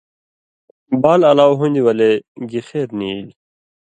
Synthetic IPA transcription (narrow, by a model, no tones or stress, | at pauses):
baːlɐlaːwɦũnd̪iwɐleɡixeːɾnil